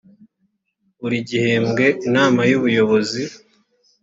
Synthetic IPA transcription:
βuɾiɟihe̞mɡe̞ʔinaːmajuβujo̞βo̞zi

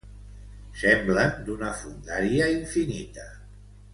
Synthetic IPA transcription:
sɛmblənd̪unəfund̪aɾiəiɱfinḭt̪ə

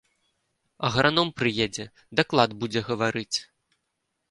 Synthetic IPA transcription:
ɐ̰ɣɾanɔmpɾɨjed͡zʲɛ | d̪aklˠad̪bud͡zʲɛɣɐvaɾɨt͡sʲ

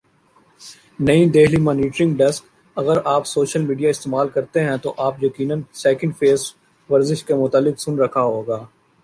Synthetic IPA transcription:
nɐĩd̪eːɦlimɔːniːʈɾɪ̃ŋɡɖɛsk | ɐɣəɾaːpsoːʃəlmiːɖijaɪst̪eːmaːlkɐɾt̪eɦɛ̃t̪oʔaːpjɐkiːnə̃nsɛːkɪ̃ɳɖfeːs | ʋɐɾzɪʃkemʊt̪aːlːɪksʊnɾɐkʰaɦoːɡaː

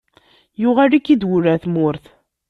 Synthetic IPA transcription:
jʊʁælikːid̪wuɾæθmʊɾθ

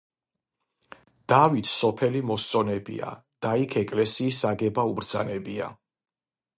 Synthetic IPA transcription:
d̪̥avit̪ʰsɔpʰɛlimɔst̪sʼɔnɛbḭa̰d̪̥aikʰɛkʼlɛsiːs̬aɡɛbaubɾd̪z̥anɛbia̰

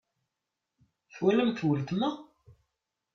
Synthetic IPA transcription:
θwæləmt̪wəlt̪mæ

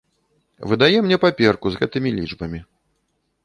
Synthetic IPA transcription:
vɨd̪ajɛmnʲɛpapʲɛrkuzɣɛt̪ɨmʲilʲid͡ʐbɐmʲi

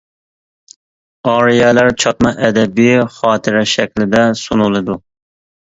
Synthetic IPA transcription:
ɑːɾijɛlæɾt͡ʃʰɑt̪mɑʔɛd̪ɛbɪχɑːt̪ʰɪɾɛʃɛkʲlɪd̪ɛsunulˠɨd̪u

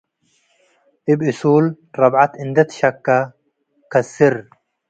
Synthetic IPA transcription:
ʔɪbɪsuːl | ɾˤɑbʕat̪ɪnd̪ɐt̪ʃɐkːa | kɐsɪɾ

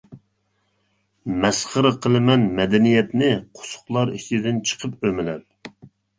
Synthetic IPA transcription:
mɛsχəɾɨqʰəlˠɨmɛnmɛd̪ɛnijɛt̪nɪqʰʊ̥sʊ̥χlˠɑɾiʃʰid̪ɪnt͡ʃʰə̥qʰəpømɪlæɾ

